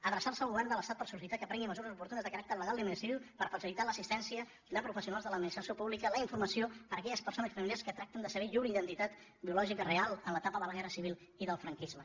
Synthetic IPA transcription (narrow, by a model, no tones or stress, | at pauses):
əðɾəsaɾsəlˠɣuβɛrnd̪ələst̪at̪pəɾsusit̪akəpɾɛŋɡiməzuɾəzupuɾt̪unəzðəkəɾak̚t̪əɾləɣalˠd̪iminsiiupəɾfəsilit̪aləsist̪ɛnsiə | d̪əpɾufəsiunalzðələd̪minist̪ɾəsjopuβlikələiɱfurməsiopəɾəkɛʎəspərsonəsfəmiljaɾskət̪ɾak̚t̪ənd̪əsəβɛʎuɾəiðənt̪it̪at̪ | biulɔʒikərealˠənlət̪apəðələɣɛrəsiβilˠ | iðəlˠfɾəŋkizmə